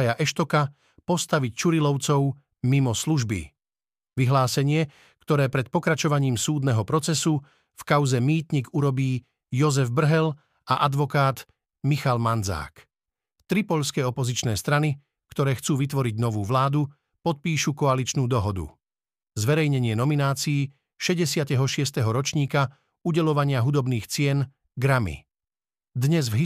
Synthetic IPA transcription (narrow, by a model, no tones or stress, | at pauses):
jaʔɛʃt̪ɔka | pɔst̪aʋict͡ʃuɾilɔʊt͡sɔʊ | mimɔsluʒbḭ | ʋiɦlaːsɛɲɪɛ | kt̪ɔɾɛːpɾɛt̪̚pɔkɾat͡ʃɔʋaɲiːmsuːd̪nɛɦɔpɾɔt͡sɛsu | fkaʊzɛmiːt̪ɲiɡuɾɔbiː | jɔzɛvbr̩ɦɛl | ʔaʔad̪ʋɔkaːd̪ | mixalmand͡za̰ːk | t̪ɾipɔʎskɛɔpɔzit͡ʃnɛːst̪ɾani | kt̪ɔɾɛːxt͡suːʋit̪ʋɔɾiɟnɔʋuːʋlaːd̪u | pɔt̪̚piːʃukɔalit͡ʃnuːd̪ɔɦɔd̪ṵ | zʋɛɾɛjɲɛɲɪɛnɔminaːt͡siː | ʃɛɟɛsɪat̪ɛɦɔʃɪɛst̪ɛɦɔɾɔt͡ʃɲiːka | uɟɛlɔʋaɲɪaɦud̪ɔbniːxt͡sɪɛn | ɡɾamḭ | d̪ɲɛzvɦi